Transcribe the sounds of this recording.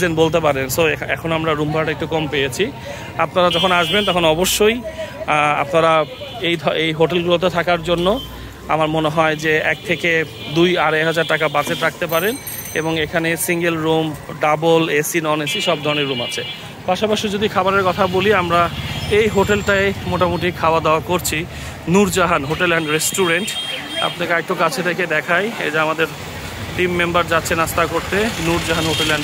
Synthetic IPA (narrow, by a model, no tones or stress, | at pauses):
d͡ʑenbolt̪̬ep̬aɾensoɛ̰kʰonoamɾaɾumbʱaɾʈek̚ʈukɔmpejet͡ɕʰi | apnaɾad͡ʑɔkʰonaʃbent̪ɔkʰonɔboʃːoj | a̰pnaɾaejd̪ʱɔejɦoʈelɡulot̪̬et̪ʰakaɾd͡ʑonːo | a̰maɾmoneɦɔed͡ʑeɛk̚t̪ʰeke | d̪ujaɾeɦad͡ʑaɾʈakabad͡ʑeʈɾak̚t̪epaɾen | ḛboŋekʰanesiŋɡelɾumɖabolesinɔnesiʃɔb̚d̪ʱɔɾoneɾːuma̰t͡ɕʰe | paʃapaʃid͡ʑod̪ikʰabaɾeɾkɔt̪ʰaboliamɾaejɦoʈelʈajmoʈamoʈikʰaoad̪aakoɾt͡ɕʰi | nuɾd͡ʑaɦanɦoʈelːɛɳɖɾesʈuɾeɳʈ | a̰pnakaek̚ʈokat͡ɕʰed̪ekʰed̪ɛkʰajd͡ʑamad̪eɾ | ʈimːembaɾd͡ʑatːɕʰenast̪akoɾt̪enuɾd͡ʑaɦanɦoʈelːɛɳ